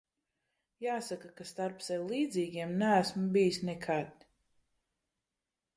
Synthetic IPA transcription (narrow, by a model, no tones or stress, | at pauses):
jaːsakakast̪aɾpsajlˠiːd̪ziːɡʲiɛmnææsmbijisnɛkʰad̪